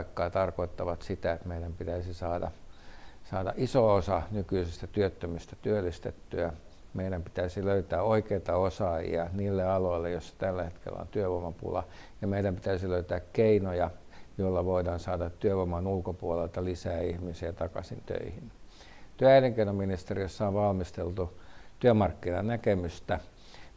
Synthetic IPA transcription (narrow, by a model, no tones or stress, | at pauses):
kːɑːt̪ɑrkoit̪ːɑʋɑt̪sit̪æet̪meidæmpit̪æisisɑːdɑ̰ | sɑːdɑ̰ʔisoosɑnykyisest̪æt̪yøt̪ːømyst̪æt̪yølːˑist̪et̪ːyæ | meiɾæmpi̥t̪æisiløyt̪æːoikeit̪ɑosɑjḭɑniːlːeɑloilːejosːɑ̥t̪ælːæhet̪kḛlːˑæ̰o̰nt̪yøʋomɑpṵlɑ̰ | jɑmeidæmpit̪æysiløyt̪æːkkeinojɑ | joilːɑʋoidɑːnsɑːdɑt̪tyøʋomɑnulkopuolelt̪ɑlisæːihmisiɑt̪ɑkɑ̰sḭnt̪ø̰ihin | t̪yøæileŋkeinominist̪eriosːɑonʋɑlmist̪elt̪ut̪yømɑrkːinɑnnækemyst̪æ